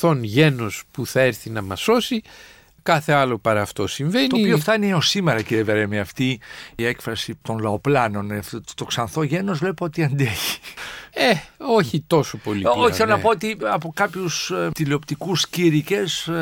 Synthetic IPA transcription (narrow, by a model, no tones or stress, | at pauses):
θo̞nʝe̞no̞spuθɐeɾθinɐmɐso̞si | kɐθe̞ɐlo̞pɐɾɐːft̪o̞siɱvenoipioft̪ɐniosimeɾɐciɾieveɾemeɐft̪iːekfɾɐsit̪o̞nlɐo̞plɐno̞neftt̪o̞ksɐnθo̞ʝe̞no̞zvle̞pot̪iɐnd̪eçi̥eoçit̪o̞so̞po̞lioçiθelonɐpo̞ot̪iɐpo̞kɐpçust̪ileo̞pt̪ikusciɾice̞s